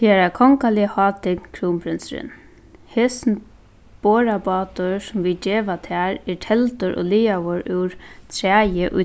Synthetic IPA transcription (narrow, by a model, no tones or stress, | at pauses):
heɾakʰɔŋkalɪəhɑːt̪ɪknkʰɾuːmpʰɾɪnsɾɪ̰n | heːsn | b̥oːɾabɑːt̪ʊsʊmʋid͡ʒeːʋat̪ʰaːɾɛɹʈʰɛlt̪ʊɾʔɔ̰ːliːaʋʊɾɪwɾt̪ʰɾæːjəʔʊ̰